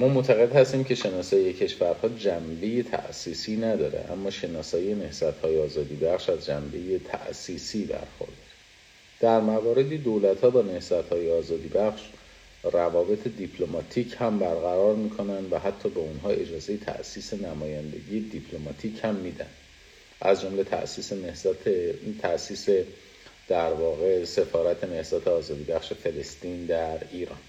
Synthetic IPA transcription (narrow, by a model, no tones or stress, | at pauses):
mɒːmot̪ʰæɣe̞d̪hæst̪iːmcʰe̞ʃe̞nɒːsɒːjecʰe̞ʃvæɾhɒːd͡ʒæmbe̞jet̪ʰæ̰ʔsiːsiːnæd̪ɒːɾḛʔæ̰mːɒːʃe̞nɒːsɒːijene̞hz̥æt̪hɒːjeɒːzɒːd̪iːbæχʃæzd͡ʒæmbe̞je̞t̪ʰæ̰ʔsiːsiːbæ̰ɾxo̞̰ɾd̪ɒɾ | d̪̥æɾmævɒːɾe̞d̪iːd̪olæt̪hɒːbɒːne̞hz̥æt̪hɒːjeɒːzɒːd̪iːbæχʃ | rævɒːbe̞t̪ʰe̞d̪ipʰlo̞mɒt̪ʰiːcʰhæmbæɾɣæɾɒːɾmiːkʰo̞nænd̪væɦæt̪ʰːɒːbe̞unɦɒːe̞d͡ʒɒːze̞je̞t̪ʰæ̰ʔsiːse̞næmɒːjænd̪e̞ɟiːje̞d̪ipʰlo̞mɒːt̪ʰiːchæmːiːd̪æ̰nd̪̥ | ʔæzd͡ʒo̞mle̞t̪ʰæ̰ʔsiːsenehzt̪ʰet̪ʰæʔsiːse | d̪̥æɾvɒːɣe̞se̞fɒːɾæt̪ʰe̞ne̞hzæt̪ʰeɒːzɒːd̪iːbæxʃe̞fe̞lest̪iːnd̪æɾiːɾɒ̰ːn